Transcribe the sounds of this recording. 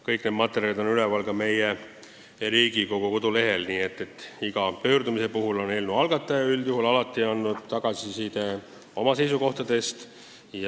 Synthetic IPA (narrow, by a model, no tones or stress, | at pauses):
kɤjkne̞d̪mɑt̪ːe̞ɾjɑid̪o̞nylevɑlkɑme̞je | ɾiːɡiko̞ɡ̥uko̞d̪̥ule̞ɦe̞lniːe̞t̪ˑːe̞t̪ːˑiɡ̥ɑpø̞ːrd̪umise̞puɦulo̞ne̞lmnuɑlɡ̥ɑt̪ːˑɑjɑyld̪juhɦulɑlɑt̪ːˑiɑnːud̪t̪ːɑɡ̥ɑsisiːt̪ | o̞mɑse̞js̬uko̞ht̪ɑd̪̥e̞st̪ | j